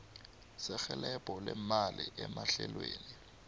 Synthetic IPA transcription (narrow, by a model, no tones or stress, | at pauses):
sɪxɛlɛpʼɔlɛmalɪʔɛmaɬɛlweːni